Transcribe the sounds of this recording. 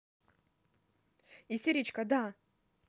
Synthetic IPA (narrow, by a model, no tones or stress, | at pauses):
isʲeɾʲit͡ʃkad̪a